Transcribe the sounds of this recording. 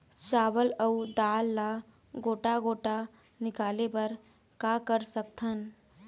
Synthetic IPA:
t͡ʃaːʋələud̪aːlːa | ɡoːʈaɡoːʈa | nɪkaːlepɐɾ | kaːkəɾsək̚t̪ʰən

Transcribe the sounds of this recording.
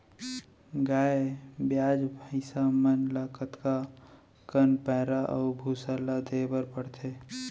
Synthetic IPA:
ɡaːebjaːd͡ʒbʱaɪsamənlakət̪ka | kənpɛːɾaʔɔ̰ːbʱuːsalad̪eːbəɾpəɽt̪ʰeː

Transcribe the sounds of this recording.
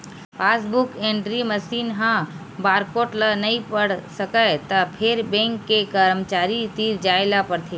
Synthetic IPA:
pʰaːsbʊkẽɳɖɾiməsiːnɦã | baːɾkoːʈlənəĩpəɽsəkəjt̪əpʰeɾbẽŋkːekəɾəmt͡ʃaːɾit̪iːɾd͡ʒaːelapəɾt̪ʰeː

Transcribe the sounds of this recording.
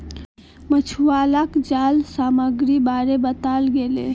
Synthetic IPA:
mət͡ʃʰualakd͡ʒalsaməɡɾibaɾebət̪alɡelḛ

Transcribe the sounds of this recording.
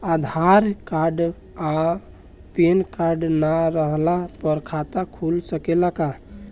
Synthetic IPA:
ad̪ʱaɾkaɾɖ | a | penkaɾɖnaɾəɦlapəɾkʰat̪akʰulsəkelaka

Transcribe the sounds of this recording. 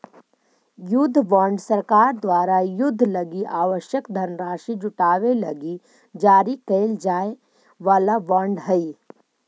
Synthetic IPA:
jʊd̪ʱːʋãːɳɖsəɾkaːɾd̪waːɾajʊd̪ʱːlɐɡiʔaːʋəʃjəkd̪ʱənɾaːʃid͡ʒʊʈaːʋelɐɡi | d͡ʒaːɾikəːld͡ʒaːe | ʋaːlaʋãːɳɖɦəi

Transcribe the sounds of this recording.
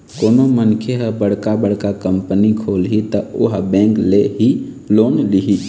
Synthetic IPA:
koːnomənkʰeɦəbəɽkabəɽkakəmpənikʰolɦit̪əoɦbɛ̃ŋkleɦi | loːnliɦi

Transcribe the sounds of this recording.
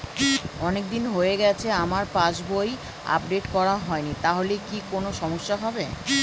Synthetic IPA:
ɔnek̚d̪inɦoeɡɛt͡ɕʰeamaɾpãt͡ɕboj | a̰p̚ɖeʈkɔɾaɦɔenit̪aɦolekikonoʃɔmoʃːaɦɔbe

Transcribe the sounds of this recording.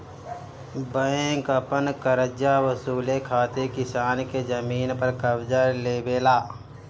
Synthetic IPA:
bəẽkəpənkəɾəd͡ʒawəsuːlekʰaːt̪ekɪsaːnked͡ʒəmiːnpəɾkəbd͡ʒəɾleːbeːlaː

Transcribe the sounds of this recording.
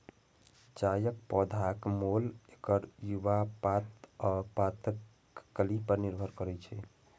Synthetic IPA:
t͡ʃajək̚pɔd̪ʱakmolekəɾjuʋapat̪pat̪ək | kəlipəɾniɾbʱəɾkəɾɛt͡ʃʰɛ

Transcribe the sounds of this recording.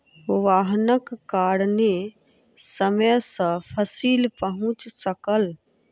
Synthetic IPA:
ʊʋaːɦnəkːaːɽnẽ | səməjsə̃pʰəsiːlpəɦʊ̃t͡ʃsəkəl

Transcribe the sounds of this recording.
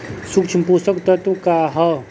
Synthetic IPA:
sukt͡ʃʰimpusəkt̪ɐt̪ukaːɦɐ

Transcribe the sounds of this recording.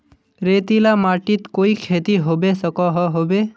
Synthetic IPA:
ɾeːt̪ilamaːʈit̪koːikʰeːt̪iɦobesəkɔɦɔɦobe

